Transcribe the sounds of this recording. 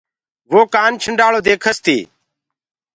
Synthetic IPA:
ʋoːkaːnt͡ʃʰəɳɖaːɭoːd̪eːkʰəst̪iː

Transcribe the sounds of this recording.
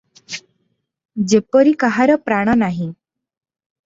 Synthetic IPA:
d͡ʑepəɾikaɦaɾɔpɾaɽ̃ɔnaɦĩ

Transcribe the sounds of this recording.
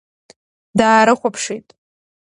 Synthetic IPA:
daːɾɨχʷapʰʂijtʼ

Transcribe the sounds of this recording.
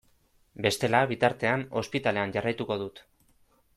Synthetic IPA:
be̞st̪e̞laβit̪aɾt̪e̞ano̞̰spit̪ale̞anʝarajt̪uko̞ðut̪

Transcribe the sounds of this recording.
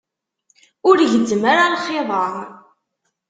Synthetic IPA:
ʊɾʝəd̪ːəmaɾalχːeðˤɑɾˤ

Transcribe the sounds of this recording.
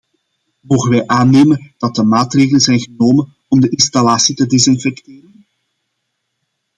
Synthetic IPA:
moːɣənʋɛjʔaːneːmənd̥ɑt̚dəmaːtreːɣələnzɛjnɣənoːmən | ɔmdəʔɪnstalaːsitədezɪnfɛkteːrən

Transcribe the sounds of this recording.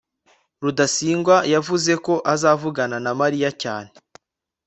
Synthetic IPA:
ɾudasiːŋɡwajavuze̞ko̞ʔazaːvuɡananamaɾijacaːne

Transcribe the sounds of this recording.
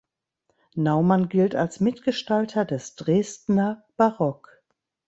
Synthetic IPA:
naʊmanɡɪltalsmɪtɡ̥əʃtaltʰɐdɛsd̥ʁeːstnɐb̥aʁɔk

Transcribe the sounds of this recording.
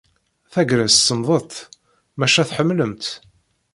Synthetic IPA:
θæɡɾənssəmðˤət̪ˤ | mæʃæθħəmːləmt̪

